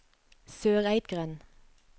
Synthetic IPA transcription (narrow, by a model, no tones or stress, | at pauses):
søːʁæɪt̪ɡʁɛn